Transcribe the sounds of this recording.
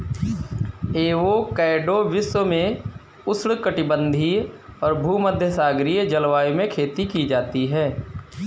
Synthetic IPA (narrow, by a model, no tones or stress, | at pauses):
eːʋokɛːɖoʋɪswəmẽ | ʊsɽkəʈɪbə̃nd̪ʱiɔːɾbʱuːməd̪ʱjəsaːɡɾiːd͡ʒəlʋaːimẽkʰeːt̪ikid͡ʒaːt̪iɦɛː